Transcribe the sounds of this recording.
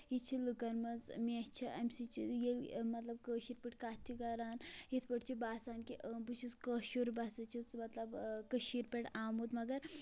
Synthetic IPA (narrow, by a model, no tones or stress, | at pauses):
it͡ʃʰilukɐnmɐd͡zmiɐst͡ʃʰiʔɐmsit͡ʃʰijelmɐt̪lɐb̚kəʃiɾpiʈkaːt̪ʰːikɐɾaːnjit̪ʰpəʈt͡ʃʰibaːsaːnkibɨt͡ʃʰut͡skəʃuɾbasɐt͡ʃʰit͡smɐt̪lɐbkəʃiɾpeʈaːmut̪mɐɡɐɾ